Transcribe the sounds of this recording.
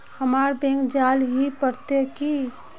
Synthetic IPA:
həmaɾbẽŋɡd͡ʒalɦipəɾt̪eki

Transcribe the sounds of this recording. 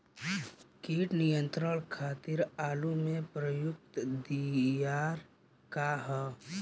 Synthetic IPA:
kiːʈnijə̃nt̪ɾəɽkʰaːt̪iɾaːlumẽpɾəjʊk̚t̪d̪ijaːɾ | kaɦɛ

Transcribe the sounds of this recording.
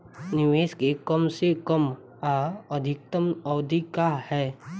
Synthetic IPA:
nɪʋeːskekəmsekəm | aəd̪ʱɪk̚t̪əməːd̪ʱikahɛː

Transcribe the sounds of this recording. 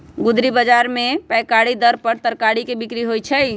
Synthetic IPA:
ɡud̪ɾibəd͡ʒaɾmepɛjkaɽid̪əɾpəɾt̪əɾkaɽikebikɾiɦojt͡ʃʰəj

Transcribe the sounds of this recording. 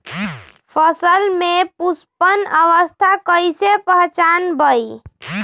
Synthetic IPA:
pʰəsəlmepuspənəʋəst̪ʰakəjsepəɦt͡ʃanbəi

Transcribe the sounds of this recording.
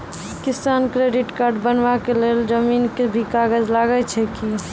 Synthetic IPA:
kisankɾeɖiʈkaɾɖbənʋakeleld͡ʒəmiːnkebʱikaɡəd͡ʒlaɡɛt͡ʃʰɛki

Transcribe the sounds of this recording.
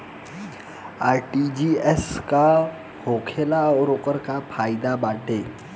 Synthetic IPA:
aːɾʈid͡ʒiːɛska | hoːkʰeːlaɔːɾoːqəɾkapʰaːɪd̪abaːʈʰeː

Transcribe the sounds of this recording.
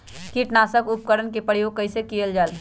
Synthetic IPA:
kiʈnasəkup̚kəɾənkepɾəjoːɡ̚kəɪsekijəld͡ʒaːl

